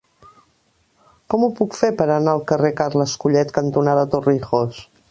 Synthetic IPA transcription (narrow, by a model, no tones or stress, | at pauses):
kɔmupukfepəɾənaəlˠkərekaɾləskuʎɛt̪kənt̪unaðət̪urixos